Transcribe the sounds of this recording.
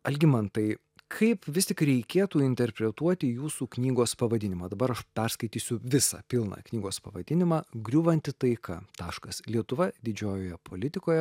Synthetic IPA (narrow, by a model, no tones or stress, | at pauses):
ɐlʲɡʲɪmɐnt̪ɐɪ | kʰɐɪpʋʲɪsʲt̪ʲɪkɾʲɛɪkʲeːt̪uːɪnʲt̪ʲɛɾʲpʲɾʲɛt̪uɔt̪ʲɪjuːsuːknʲiːɡoːspɐʋɐd̪ʲɪnʲɪmɑːd̪ɐbɐɾɐʃpʲɛɾskɐɪt̪ʲiːsʲʊʋʲɪsɑ̰ːpʲɪlˠnɑ̰ːknʲiːɡoːspɐʋɐd̪ʲɪnʲɪmɑːɡɾʲuːʋɐnʲt̪ʲɪt̪ɐɪkɐ̰t̪ɑːʃkɐslʲiɛt̪ʊʋɐd̪ʲɪd͡ʒʲoːjoːjɛpʰoːlʲɪt̪ʲɪkoːjɛ